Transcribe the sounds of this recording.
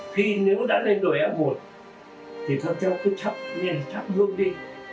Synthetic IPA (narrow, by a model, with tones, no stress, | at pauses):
xi˧ne˨˦wɗa̰ː˧˥le˧nɗo˨˩jʔa˨˦p̚mo˨˩t̚ | t̪ʰi˨˩k̪a˧t͡ɕɔ˧˦ku˨˦t͡ɕʰa˦˥p̚ɲa˧˩t͡ɕ̪ʰa˦˥p̚ɦɨ˧əŋɗi˧